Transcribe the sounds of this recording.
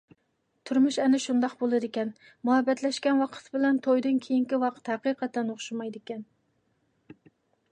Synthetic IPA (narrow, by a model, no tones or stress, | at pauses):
t̪ʰuɾmuʃɛnɪʃund̪ɑqbolˠɨd̪ɪkʲɛn | muɦɛbɛt̪lɛʃkʲɛnwɑqʰə̥t̪ʰbɪlɛnt̪ʰojd̪ɨnkʲʰejiŋkʲiwɑqʰə̥t̪hæqɨqʰɑt̪ːɛnoχʃumɑjd̪ɪkʲɛn